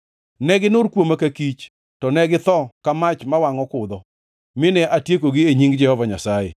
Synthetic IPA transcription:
nɛɡɪnʊɾkwomakakit͡ʃ | tɔnɛɡɪt̪ɔkamat͡ʃmawaŋɔkʊd̪ɔ | mɪnɛʔatjekoɡɪeɲiŋɡd͡ʒɛhɔvaɲasajḛ

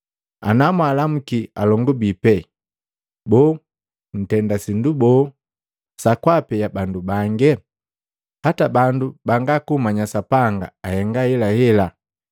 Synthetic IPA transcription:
a̰namwalam̩kia̰lɔŋɡubipɛ | bɔ | n̩tɛndasindubɔ | sakwapɛjabandubaŋɡɛ | hatabandubaŋɡakumaɲasapaŋɡa̰ːhɛŋɡahɛlahɛla

